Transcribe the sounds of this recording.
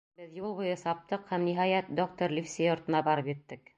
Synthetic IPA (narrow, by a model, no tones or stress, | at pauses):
bɘðjulˠβŏjɤsɑp̚t̪ɤqhæmniɦɑjæt̪̚d̪ok̚t̪oɾlʲifsʲejŏɾt̪ɤ̆nɑbɑɾɤpjɘ̆t̪ːɘk